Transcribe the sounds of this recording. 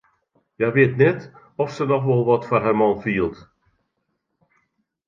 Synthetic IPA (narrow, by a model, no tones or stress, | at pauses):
jajʋɪətnɛt | ɔfsənɔxʋɔlˠʋɔtfarɦɛmɔlˠfiəlˠt